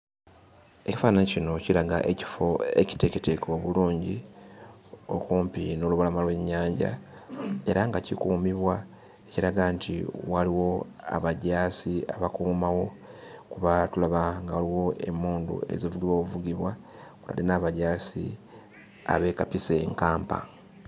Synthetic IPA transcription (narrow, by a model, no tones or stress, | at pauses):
e̞ci̥fanecino̞ciɾaɡa̰ʔe̞ci̥fo̞e̞̰ci̥te̞ketekʰo̞βuluːɲɟi | o̞̰kuːmpino̞ːluβalamalwe̞ɲːaːɲɟa̰ | e̞ɾaŋɡacḭkuːmiβwa | eciɾaɡantʰḭwaliwo̞a̰βaɟaːsia̰βakuːmawo̞ | kuβatulaβaŋɡawaliwo̞ʔe̞̰muːndṵe̞̰zivuɡiβwoːkuvuɡiβwa | kula̰linaːβaɟaːsḭ | a̰βe̞kapiseŋkaːmpa̰